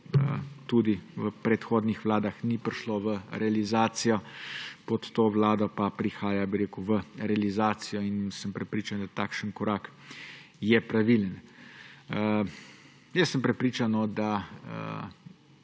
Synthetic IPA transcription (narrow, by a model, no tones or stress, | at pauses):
ə̰t̪uːd̪iʋəpɾɛt̪xoːd̪nixʋlaːd̪axnipɾiʃloʋəɾʔɛalizaːt̪sijɔpɔt̪ːoːʋlaːd̪ɔpapɾixaːjabiɾeːkuʋəɾɛalizaːt̪sijɔinsəmpɾɛpɾiːt͡ʃand̪at̪akʃənkɔɾaːk | jɛpɾaʋilən | ə | jəsːəmpɾɛpɾiːt͡ʃanɔd̪aə̰